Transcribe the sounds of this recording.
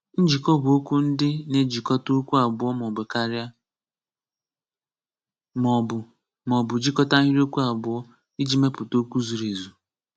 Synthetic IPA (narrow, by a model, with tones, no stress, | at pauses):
n̩˦d͡ʒi˨kɔ˦bʊ˨o˦ku˦n̩˦dɪ˦ne˦d͡ʒi˨kɔ˦to˦kʷu˦a˨bʊ˨˦ɔ˦mɔ˨be˨ka˦ɾɪ˦a˦ | mɔ˨bʊ˨ | mɔ˨bʊ˨d͡ʒi˦kɔ˦ta˦i˦ɾo˦ku˦a˨bʊ˨ɔ˦ | i˦d͡ʒi˦me˦pʊ˨to˦ku˦zu˨ɾe˨zu˨